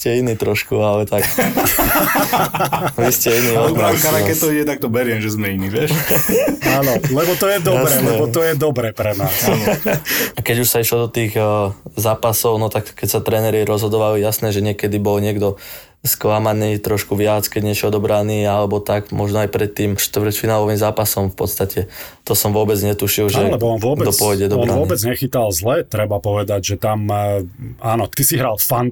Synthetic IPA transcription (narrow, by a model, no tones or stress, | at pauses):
scɛiniːt̪ɾɔʃkualɛt̪ak | ʋiscɛiniːɔakaɾakɛct̪ɔiɟɛt̪ak̚t̪ɔbɛɾɪɛmʒɛzmɛiniːʋɪɛʃ | aːnɔlɛbɔt̪ɔjɛd̪ɔɾɛlɛbɔt̪ɔjɛd̪ɔbɾɛpɾɛnaːsa | akɛɟuʃsaiʃlɔd̪ɔt̪iːɣzaːpasɔʊnɔt̪akkɛcsat̪ɾɛːnɛɾiɾɔzɦɔd̪ɔʋalijasnɛʒɛɲɪɛkɛd̪ibɔlɲɪɛɡd̪ɔ | sklamaniːt̪ɾɔʃkuʋɪat͡skɛɟɲɪɛt͡ʃɔd̪ɔbɾaniːalɛbɔt̪aɡmɔʒnɔajpɾɛt̪ːiːmʃt̪ʋɾcfinaːlɔʋiːmzaːpasɔmfpɔt̪st̪acʰɛ | t̪ɔsɔmʋʊɔbɛd͡zɲɛt̪uʃilʒɛlɛbɔɔnʊɔɛɔpʊɔjɟɛd̪ɔɔaʊɔibɛd͡zɲɛxit̪alzlɛt̪ɾɛbapɔʋɛd̪aɟʒɛt̪am | aːnɔt̪isiɦɾalfan